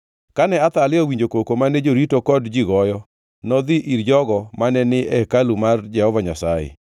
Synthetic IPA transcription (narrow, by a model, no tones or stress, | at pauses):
kanɛat̪alɪɔwiɲd͡ʒokokomaned͡ʒoɾitokɔdd͡ʒiɡɔjɔ | nɔd̪ɪʔiɾd͡ʒɔɡɔmanɛnɪʔɛkalumard͡ʒɛhɔvaɲasajɛ̰